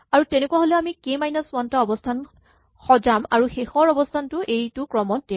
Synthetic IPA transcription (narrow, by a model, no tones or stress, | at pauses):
aɹutenekuwaɦolɛamikemajnaswantaɔbɔstʰan | xɔzama̰ɹuxexɔɹɔbɔstʰantʊʔejtʊkɹɔmɔnte